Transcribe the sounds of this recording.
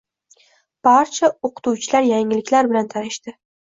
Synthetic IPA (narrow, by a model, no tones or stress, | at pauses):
b̥aɾt͡ʃʰaoqʰɨ̥t̪uwt͡ʃʰɪlaɾjaŋɪlɪkʲlaɾbɪlant̪ʰaɾɪʃt̪ɪ